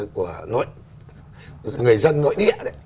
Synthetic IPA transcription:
ku˧˩əno̰˧˥˨j | ŋɨ˨˩əjzə˧nːo̰˧˨jɗḭ˧˨ə˧˨

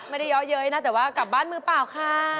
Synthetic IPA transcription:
ma˥˩da˥˩jɔː˦˥jɤː˦˥jna˦˥t̪ɛː˨˩waː˥˩ka˨˩p̚baː˥˩nmɯː˧paː˨˩wkʰaː˧˥˩

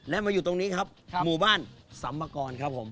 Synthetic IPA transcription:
lɛ˦˥maː˧ju˨˩t̪o˧ŋniː˦˥kʰa˦˥p̚muː˨˩baː˥˩nsa˩˦mːaː˧kɔː˧nkʰa˦˥p̚ʰːo˩˦m

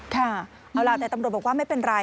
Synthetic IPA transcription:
kʰaː˥˩ | ʔa˧wlaː˧˩t̪ɛː˨˩t̪mu˨˩t̪̚bɔ˨˩kwaː˥˩ma˥˩jpe˧nɾa˧

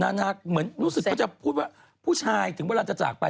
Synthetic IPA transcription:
naː˧˥˩na˦˥˩k̚mɯ˩˦ənɾuː˦˥˩sɯ˨˩kɔː˥˩t͡ɕa˨˩pʰuː˥˩t̪̚waː˥˩ | pʰuː˥˩t͡ɕʰaː˧jt̪ʰɯ˩˦wa˧˩ɾa˧˩t͡ɕa˨˩t͡ɕa̰ː˨˩k̚pa˧

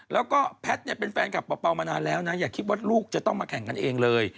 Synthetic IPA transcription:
lɛː˦˥wkɔː˥˩pʰɛ˦˥t̪̚ni˥˩əpe˧nfɛː˧nkʰa˨˩pːɔː˧pːa˧wmaː˧naː˧nlɛː˦˥wna˦˥jaː˨˩kʰːi˦˥t̪̚waː˥˩luː˥˩k̚t͡ɕa˨˩t̪ɔ˥˩ŋmaː˧kʰɛ˨˩˦ŋka˧nʔeː˧ŋlɤː˧j

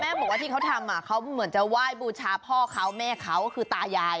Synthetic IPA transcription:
mɛː˥˩bɔː˨˩k̚waː˥˩iː˥˩ka˦˥wt̪ʰa˧mːaː˧˩kʰa˦˥wmɯ˩˦ənt͡ɕa˨˩waː˥˩jbuː˧t͡ɕʰaː˧pʰɔː˥˩kʰa˦˥wmɛː˥˩kʰa˦˥˩wkɔː˥˩kʰɯː˧t̪aː˧jaː˧j

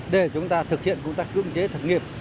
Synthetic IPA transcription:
ɗe˧˩t͡ɕʊ˨˦ŋ͡mt̪aː˧t̪ʰɨ˨˩k̚hḭ˧˨ənkə˧ŋ͡mt̪aː˦˥k̚kɨ̰˧˥əŋt͡ɕe˨˦t̪ʰə˨˩t̚ŋi˨˩əp̚

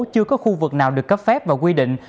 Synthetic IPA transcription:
t͡ɕɨ˧əkɔ˨˦xu˧vɨ˨˩k̚naː˨˩wɗɨ˨˩əkːə˦˥p̚fɛ˦˥p̚vaː˨˩wkwi˧ɗḭ˧˨ŋ̟

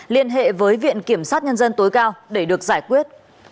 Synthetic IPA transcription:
li˧ənɦḛ˧˨vəː˨˦jvḭ˧˨ənki˧˩əmsaː˦˥t̚ɲə˧nzə˧nt̪o˨˦jkaː˧wɗe˧˩ɗɨ˨˩ək̚zaː˧˩jkwi˦˥ət̚

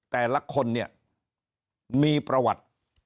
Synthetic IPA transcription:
t̪ɛː˨˩la˦˥kʰo˧nːi˥˩ɐ | miː˧pɾa˧wa̰˨˩t̪̚

